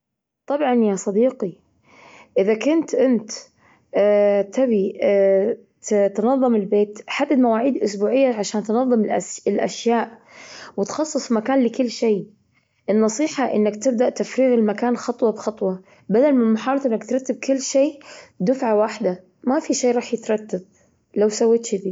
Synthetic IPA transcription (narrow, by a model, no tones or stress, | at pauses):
t̪ˤɑbʕɑnjasˤɑd̪iːqi | ʔɪðakʊnt̪ʔɪnt̪ː | t̪ʰabi | t̪nɑðˤːɨmɪlbeːt̪ħad̪ːad̪mawaːʕiːd̪ʔʊsbuːʕɪjːaʕaʃaːnt̪nɑðˤːɨmɪlʔa̰ʃjaːʔwɪt̪xɑsˤːɨsˤmakaːnlɪkʊlːʃeː | ʔɪnːɑsˤiːħɑʔɪ̰nːakt̪ɪb̚d̪aʔt̪afɾiːɣɪlmakaːnxɑt̪ˤwɑbxɑt̪ˤwɑ | bad̪almɪnmʊħɑːɑɾt̪ˤʔɪnːakt̪ɾˤɑt̪ːab̚kʊlːʃeːd̪ʊfʕawaħd̪a | mafiʃeːɾˤɑːħjɪt̪ɾˤɑt̪ːab̚ | lawsawːɪt̪ʃɪd̪iː